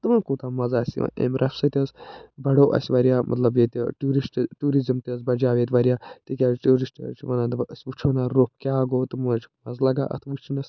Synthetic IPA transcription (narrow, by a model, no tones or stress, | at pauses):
t̪ɨmɐnkuːt̪aːmɐzaːsʲḭʔḛmɾʔɐfsɐt̪ʲɐsbɐɽoːʔɐ̰sʲʋɐɾijaːmʔɐ̰t̪lɐbjet̪ʲʈuːɾisʈʈuːɾizɐmt̪iɐs̬bɐd͡ʒaːʋeːt̪ʲʋɐɾjaːt̪ikʲaːʈuːɾisʈt͡ʃʰʋɐnãːt̪ɐsʲʋut͡ʃʰoːnaɾop̚kʲaːɡoːt̪ɨmut͡ʃʰmɐzlɐɡa̰ːʔɐ̰t̪ʰʋut͡ʃʰinɐsʲ